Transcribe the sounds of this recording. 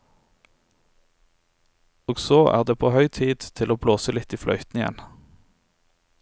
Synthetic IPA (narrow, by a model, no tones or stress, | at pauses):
oːɡsoːʔæ̰ːʁd̪eːpʰoːhœʏt̪ʰiːd̪̥t̪ʰɪloːbloːsəlɪt̪iːflœ̰ʏt̪n̩ɪɛ̰n